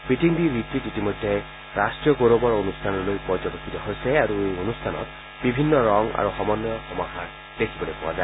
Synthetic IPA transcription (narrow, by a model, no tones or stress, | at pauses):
piʈiŋbiɾit̪id͡ʒetimɔjd̪ʱːe | ɾasʈɾijɔɡoɾobɔɾonust̪ʰanɔɾɔlojpɔɾd͡ʒɔbekʰːit̪ɔɦojseaɾuejonust̪ʰanɔ̰t̪ | bibʱinːɔɾɔŋa̰ɾuxɔmɔnjɔxɔmɔkʰa | d̪esʰibɔlepɔa̰d͡ʒae